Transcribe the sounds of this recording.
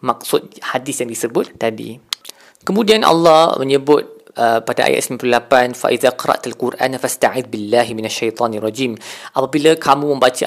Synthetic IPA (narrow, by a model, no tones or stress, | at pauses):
mak̚sʊt̪̚hadisjaŋdisəbʊt̪ːadḭ | kəmũdianʔɑ̰lːɑhməɲəbʊt̪̚ʔəpada̰ʔa̰ja̰t̪̚simamplulapanfa̰ʔiðaqɑɾˤɑ̰ʔt̪alkurʔa̰nfast̪aʕɪd̪̚bilːaɦiminaʃːajt̪ˤɑːnarˤːɑd͡ʒiːmʔapabilakʰamũmə̃mbat͡ʃa